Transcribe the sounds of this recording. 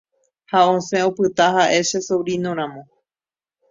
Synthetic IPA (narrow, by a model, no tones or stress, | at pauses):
haõsẽopɨt̪aɦaʔe̞ʃesowɾinõɾ̃ãmõ̞